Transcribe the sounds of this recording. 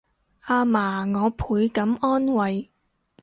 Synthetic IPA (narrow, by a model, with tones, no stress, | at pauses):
ʔaː˧maː˨˩ŋɔː˨˧pʰuː˨˧jkɐ˨˥mɔː˥nwɐ˨j